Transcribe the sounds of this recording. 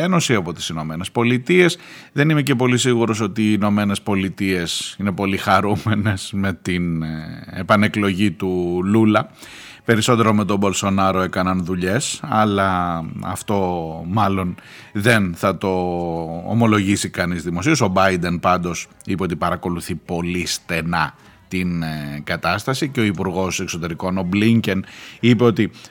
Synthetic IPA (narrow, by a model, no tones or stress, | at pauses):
eno̞siɐpo̞t̪i̥sino̞me̞ne̞spo̞lit̪ie̞sðe̞nime̞ce̞p̬o̞lis̬iɣuɾo̞s̬o̞t̪iːno̞me̞ne̞spo̞lit̪ie̞sine̞po̞lixɐɾumene̞sme̞t̪inepɐne̞klo̞ʝit̪ululɐ | pe̞ɾiso̞t̪e̞ɾo̞me̞t̪obo̞lso̞nɐɾo̞e̞kɐnɐnðuʎe̞sɐlɐɐ̰ft̪o̞mɐlo̞n | ðe̞nθɐt̪o̞̰ː | mo̞lo̞ʝisikɐnizðimo̞sioso̞bɐjd̪e̞npɐnd̪o̞s | ipe̞o̞t̪ipɐɾɐko̞luθipo̞list̪e̞nɐ | t̪inɡɐt̪ɐst̪ɐsiceo̞ipuɾɣo̞se̞kso̞t̪e̞ɾiko̞no̞bliɲce̞nipe̞o̞t̪i